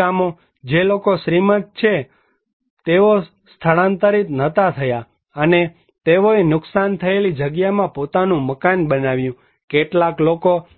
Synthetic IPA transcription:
amo | d͡ʒelokosɾimət̪̚t͡ʃʰe | t̪eʋo | st̪ʰəɭãnt̪əɾit̪nət̪at̪ʰəja | əne | t̪eʋoenʊksant̪ʰəelid͡ʒəɡjamãpot̪anũməkanbənaʋjũ | keʈlakloko

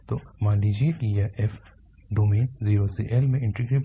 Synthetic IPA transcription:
t̪omãːɖid͡ʒitijaʔɛf | ɖumẽːnziːɾosiːʔɛlmẽɪ̃ɳʈɾiɡɾep

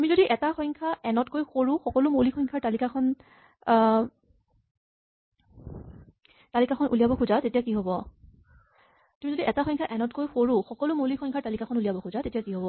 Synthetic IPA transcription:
tumizodiʔɛtaxɔjŋkʰaʔɛnɔtkojxoɹʊ̃xɔkɔlʊmolixɔjŋkʰaɹtalikakʰɔn | talikakʰɔnʔṵlijabɔkʰuzatetijakiɦobɔ | tumizodiʔɛtaxɔ̃jŋkʰaʔɛnɔtkojxoɹʊ̃xɔkɔlʊmolixʰɔjŋkʰaɹtalikakʰɔnulijabɔkʰuzatetijakiɦobɔ

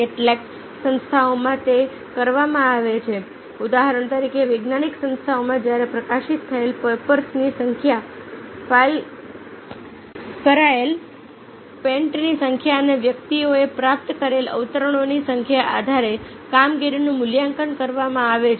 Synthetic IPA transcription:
eʈlek | sə̃nst̪ʰaomaʈ̪e | kəɾʋamãaʋet͡ʃʰe | ud̪aɦaɾəɳt̪əɾikʰeʋeɡnaniksə̃nst̪ʰaomãd͡ʒjaɾepɾəkaʃit̪ʰːəelpepəɾsnisəŋkʰjafail | kəɾael | pẽɳʈnisəŋkʰjaəneʋjək̚t̪ioepɾap̚t̪kəɾelə̰ʋt̪əɾəɽ̃onisəŋkʰjaʔa̰d̪ʱaɾe | kamɡiɾinũmʊljãŋkənkəɾʋamãaʋet͡ʃʰ

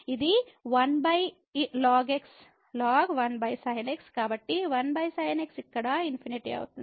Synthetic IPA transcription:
id̪iʋɐnbɐj | laːɡeks | laːɡʋɐnbɐjsɐjɐnekskaːbɐʈːiʋɐnbɐjsɐjɐneksikːɐɽaːinpʰiniʈia̰ːɡut̪ːu

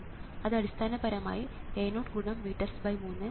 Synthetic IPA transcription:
ɐðɐɽist̪ʰaːnɐpɐɾɐma̰ːjieːnoːʈɡuɳɐmːiːʈːɐrsbɐjmuːnːɨ

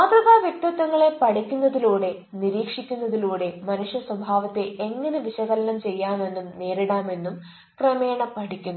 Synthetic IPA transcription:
aːt̪rɐbaːʋjekʈːɐt̪ːɐŋːɐɭe̞pɐɽikʲːunːɐðiluːɽe̞ | niɾiːkʂikʲːunːɐðiluːɽe̞mɐnuʂjɐswɐbʱaːʋɐt̪ːe̞ʔeŋːɐneʋiɕɐɣɐlɐnɐmt͡ɕe̞jːaːme̞nːumne̞ːɾiɽaːme̞nːum | krɐmeːɳɐpɐʈikʲːunːu

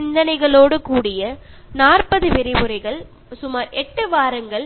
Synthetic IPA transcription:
ɪnd̪ɐnɐɪɣɐɭoːɽɯkuːɽɪjɐ | naːrpɐðɯʋɪɾɪpɯɾɐɪɣɐɭ | sʊmaːɾɛʈːɯʋaːɾɐŋɡɐɭ

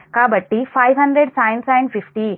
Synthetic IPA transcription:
kabəʈːifajʋɦəɳɖɾeɽsajɳʈsajɳɖfifʈi

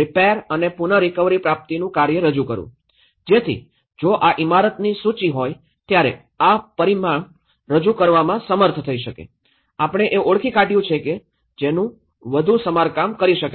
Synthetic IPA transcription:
ɾipeəɾənepunəɾikəʋɾipɾap̚t̪inũkaɾjəɾəd͡ʒukəɾṵ̃ | d͡ʒet̪ʰḭ | d͡ʒoʔaʔimaɾət̪nisut͡ʃiɦoj | t̪jaɾḛ | apəɾimaɳ | ɾəd͡ʒukəɾʋamãsəməɾt̪ʰt̪ʰəiʃəkḛ | apəɳ̃eʔeʔoɽkʰikaʈijũt͡ʃʰeke | d͡ʒenũ | ʋəd̪ʱusəmaɾkamkəɾiʃəka

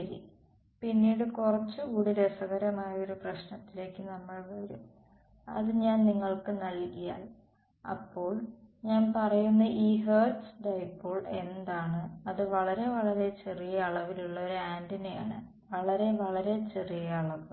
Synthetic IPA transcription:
ɐɾḭ | pinːiːɽɨkurɐt͡ɕːɨkuːɽilesɐɣɐɾɐmaːjɐo̞ɾuprɐɕnɐt̪ːile̞ːkːɨnɐmːɐɭʋɐɾum | ɐ̰ðɨɲaːnniŋːɐɭkɨnɐlkija̰ːl | ɐ̰pːo̞ːɭɲaːnpɐrɐjunːɐiːɦeːsɖɐjpːoːɭe̞nd̪aːɳɨɐðɨʋɐɭɐɾe̞ʋɐɭɐɾe̞t͡ɕe̞rijɐːɭɐʋiluɭːɐoɾaːndineja̰ːɳɨ | ʋɐɭɐɾe̞ʋɐɭɐɾe̞t͡ɕe̞rijɐːɭɐʋɨ

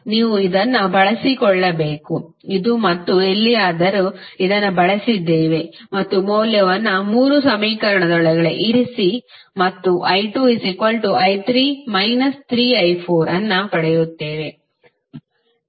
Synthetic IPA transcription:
niːʋuid̪ɐnːɐbɐɭɐsikɔɭːɐbe̞ːku | id̪umɐt̪ːue̞lːijaːd̪ɐɾuid̪ɐnːɐbɐɭɐsid̪ːe̞ːʋe̞mɐt̪ːumoːljɐʋɐnːɐmuːɾusɐmiːkɐɾɐɳɐd̪ɔɭɐɡɐɭeʔiɾisi | mɐt̪ːuʔɐjʈuːisikɐlʈuʔɐjt̪ʰɾiːmɐjnɐst̪ʰɾiːɐjpʰoːɾɐnːɐpɐɽɛjut̪ːe̞ːʋe̞

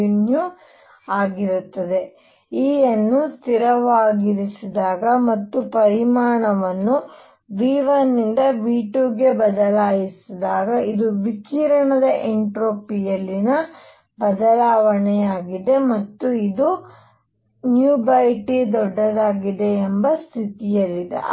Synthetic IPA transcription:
nju | aːɡiɾut̪ːɐd̪e̞ | iːjɐnːust̪ʰiɾɐʋaːɡiɾisid̪aːɡɐmɐt̪ːupɐɾimaːɳɐʋɐnːu | ʋiːʋɐnːind̪ɐʋiːʈuɡe̞bɐd̪ɐlaːjisid̪aːɡɐid̪uʋikiːɾɐɳɐd̪ɐʔeɳʈɾoːpijɐlːinɐ | bɐd̪ɐlaːʋɐɳɛjaːɡid̪e̞mɐt̪ːuid̪u | njuːbɐjʈid̪ɔɖːɐd̪aːɡid̪e̞ːmbɐst̪ʰit̪ijɐlːid̪ḛ

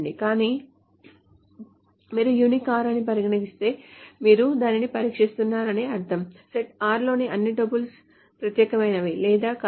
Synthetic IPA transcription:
ɳɖikaːniː | miːɾujunikaːɾɐnipɐɾiɡɐnɐɡist̪e̞ːmiːɾud̪aːninipɐɾiːkʂist̪unːaːɾɐneːɐɾt̪ʰɐmseʈaːɾlo̞ːniʔɐnːiɖɐbuls | pɾɐt̪jɛːkɐmɐjnɐʋilɛːd̪aːk

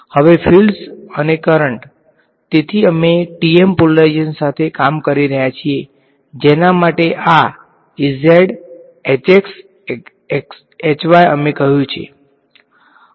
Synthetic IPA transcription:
həʋefʰilsənekəɾəɳʈ | t̪et̪ʰiəmeʈiempoləd͡ʒənsat̪ʰekamkəɾiɾəɦjat͡ʃʰie | d͡ʒenamaʈeʔa | izeɖ | et͡ʃeks | ks | et͡ʃʋajəmekəɦjũt͡ʃʰḛ

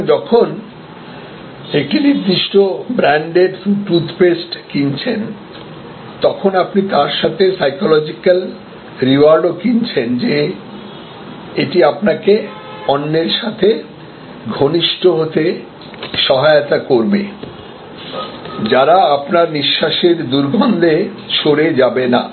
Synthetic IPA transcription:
d͡ʑɔkʰon | ek̚ʈiniɾd̪ːiʃʈobɾaɳɖeɾʈɾut̪ʰpesʈkint͡ɕʰen | t̪ɔkʰonapnit̪aɾʃat̪ʰesajkolɔd͡ʑikal | ɾiʋaɾɖokint͡ɕʰend͡ʑe | eʈiapnake | ɔnːeɾʃat̪ʰe | ɡʱoniʃʈoɦot̪e | ʃɔɦaot̪akoɾbe | d͡ʑaɾaapnaɾniʃːaʃeɾd̪uɾɡʱɔnd̪ʱe | ʃoɾed͡ʑabena̰

